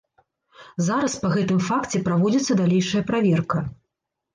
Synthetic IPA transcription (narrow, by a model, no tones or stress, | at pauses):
zaɾɐspɐɣɛt̪ɨmfakt͡sʲɛpɾavɔd͡zʲit̪sːɐd̪alʲejʂɐjɐpɾavʲɛrkɐ